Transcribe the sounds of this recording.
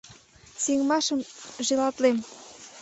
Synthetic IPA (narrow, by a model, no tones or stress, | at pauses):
siŋmɑʃə̆mʒilɑt̪lem